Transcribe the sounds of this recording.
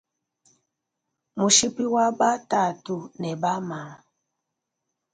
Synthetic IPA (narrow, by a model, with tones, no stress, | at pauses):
mu˨ʃi˦pi˦wa˦ba˦ta˦˨tu˨nɛ˨ba˦ma˨˦